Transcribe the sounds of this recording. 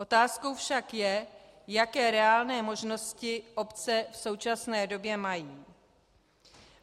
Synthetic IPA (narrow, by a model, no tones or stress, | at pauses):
ʔo̞t̪aːsko̞wfʃakjɛ | jakɛːɾɛaːlnɛːmo̞ʒno̞scɪʔo̞pt͡sɛfso̞wt͡ʃasnɛːdo̞bjɛmajiː